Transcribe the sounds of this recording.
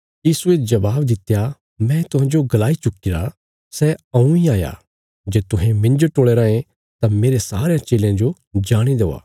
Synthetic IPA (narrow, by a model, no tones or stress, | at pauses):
jiːsued͡ʒɐbaːbd̪ɪt̪ːja | mɛ̃t̪ʊɦãːd͡ʒoɡɐlaːit͡ʃʊkːɪɾa | sɛɐ̃ũiaːja̰ | d͡ʒeːt̪ʊɦẽmɪ̃nd͡ʒoʈoːɭeɾãːẽ | t̪ameːɾesaːɾejãt͡ʃeːleãd͡ʒo | d͡ʒaːɽ̃id̪eːa̰ː